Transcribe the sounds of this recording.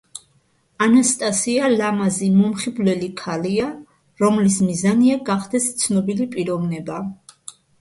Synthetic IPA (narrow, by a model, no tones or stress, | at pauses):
anast̪ʼasialamazimɔmχiblɛlikʰalia | ɾɔmlismizaniaɡaχd̪ɛst̪sʰnɔbilipʼiɾɔvnɛba